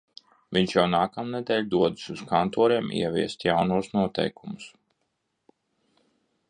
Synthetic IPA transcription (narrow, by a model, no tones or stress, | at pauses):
viɲt͡ʃjawnaːkamnɛd̪ɛːlʲd̪uɔd̪ɨ̥suskʰant̪ɔːɾiɛmḭɛvʲiɛst̪jawnuɔsnuɔt̪ɛ̰jkumus